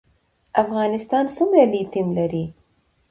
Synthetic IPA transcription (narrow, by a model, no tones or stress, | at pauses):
afɣɑnɪst̪ɑnsumɾalit̪ɪmlaɾi